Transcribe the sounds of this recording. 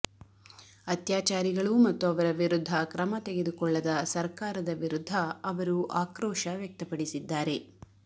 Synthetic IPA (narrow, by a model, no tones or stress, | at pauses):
ɐt̪jaːt͡ʃaːɾiɡɐɭumɐt̪ːuɐʋɐɾɐʋiɾud̪ʱːɐkɾɐmɐt̪eɡed̪ukɔɭːɐd̪ɐsɐɾkaːɾɐd̪ɐʋiɾud̪ʱːɐːʋɐɾuʔaːkɾɔːʃɐʋjɐk̚t̪ɐpɐɽisid̪ːaːɾe̞